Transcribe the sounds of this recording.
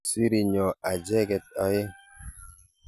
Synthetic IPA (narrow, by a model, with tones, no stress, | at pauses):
si˦ɾi˨ɲɔ˨a˨d͡ʒɛ˦ɡɛ˨t̚ɔ˨jɪ˦